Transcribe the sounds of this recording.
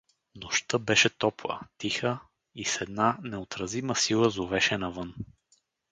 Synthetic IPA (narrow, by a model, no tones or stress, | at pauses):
noʃt̪əbɛʃɛt̪ɔplˠə̰t̪ixə | isɛd̪nanɛot̪ɾɐziməsilˠəzovɛʃɛnɐvɤn